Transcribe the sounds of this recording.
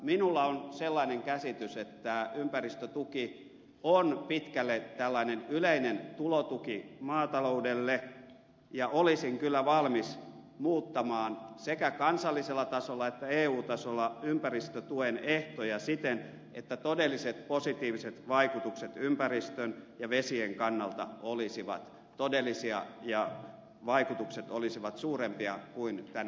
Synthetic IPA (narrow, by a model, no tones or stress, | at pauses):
minulːɑonselːɑineŋkæsit̪yset̪ːæympærist̪øt̪uki | onpit̪kælːet̪ælːɑinenyleinent̪ulot̪ukimɑːt̪ɑloudelːe | jɑʔolisiŋkylːæʋɑlmis | muːt̪ːɑmɑːnsekækɑnsɑlːiselːɑt̪ɑsolːɑet̪ːæeːuːt̪ɑsolːɑympærist̪øt̪ueneht̪ojɑsit̪en | ḛt̪ːæt̪odelːˑiset̪posit̪iːʋiset̪ʋɑikut̪ukset̪ympærist̪ønjɑʋesieŋkɑnːɑlt̪ɑ̰olisiʋɑ̰t̪ | t̪odelˑːisiɑ̰jɑ | ʋɑikut̪ukset̪olisiʋɑt̪suːrempiɑkuint̪æn